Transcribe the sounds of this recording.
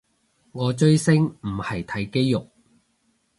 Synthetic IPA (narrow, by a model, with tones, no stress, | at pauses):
ŋɔː˨˧t͡ʃɵ˥ɥsɪ˥ŋm̩˨˩hɐ˨jt̪ʰɐ˨˥jke˥jjʊ˨k̚